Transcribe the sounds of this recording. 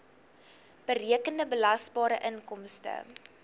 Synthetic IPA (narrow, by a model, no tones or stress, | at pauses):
b̥əɾiəkəndəbəlɐsbɑːɾəʔənkɔmstə̰